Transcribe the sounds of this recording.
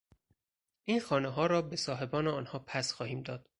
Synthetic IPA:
ʔiːnxɒːneɦɒːɾɒːbe̞sɒːɦe̞bɒːneɒːnhɒːpʰæsxɒːhiːmd̪ɒːd̪̥

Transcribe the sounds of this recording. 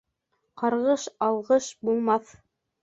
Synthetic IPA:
qɑɾʁɤʃɑlˠʁɤʃbulˠmɑθ

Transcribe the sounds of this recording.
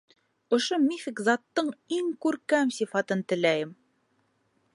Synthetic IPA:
ŏʃomʲifʲikzɑt̪ːɤɴiŋkʉɾkæmsʲifɑt̪ɤnt̪ɘ̆læjɘm

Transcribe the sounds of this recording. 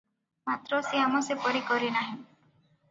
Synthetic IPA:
mat̪ɾɔseamɔsepɔɾikɔɾinaɦĩ

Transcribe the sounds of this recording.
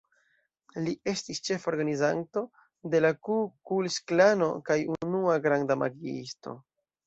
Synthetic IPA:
liʔe̞stist͡ʃe̞fo̞ɾɡanizanto̞ | de̞lakukulsklano̞kajunuaɡɾandama̰ɡiḭsto̞̰

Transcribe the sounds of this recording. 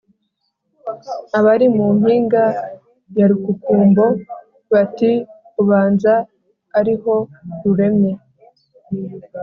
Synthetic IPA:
aβaɾimuŋhiːŋɡa | jaɾukukuːmbo̞ | βati | uβaːnzaː | ɾiho̞ɾuɾe̞mɲe̞

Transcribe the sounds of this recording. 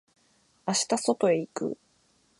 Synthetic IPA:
aɕi̥t̪aso̞t̪o̞e̞ikɯ̟̰

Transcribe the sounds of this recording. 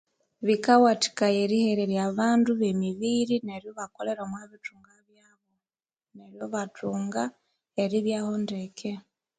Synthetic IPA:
βikawati̥kajeɾiheɾeɾjaβaːnduβemiβiːɾine̞ɾjoβakole̞ɾomwaβitʰuːŋɡaβjaːβo | neɾjoβatʰuːŋɡa | eɾiβjaːhondekʰe

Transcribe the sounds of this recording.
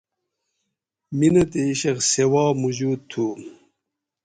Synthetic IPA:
minɐt̪eiɕeksewɑːmuʑuːd̪̚t̪ʰu

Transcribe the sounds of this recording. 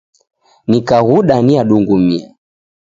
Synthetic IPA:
nikaɣuɗaniaɗuŋɡumia̰

